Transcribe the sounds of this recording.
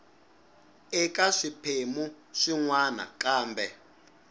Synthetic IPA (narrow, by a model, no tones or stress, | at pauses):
ɛkʼaʂipʰemu | ʂiŋwana̰kʼaːmbɛ